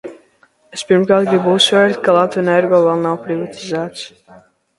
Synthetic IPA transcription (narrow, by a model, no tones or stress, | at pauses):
espʲiɾmkaːɾt̪ɡibuːsvɛɾt̪kalˠat̪vɛnaɛɾɡɔːvalˠnawpɾivat̪ʰizaːt̪s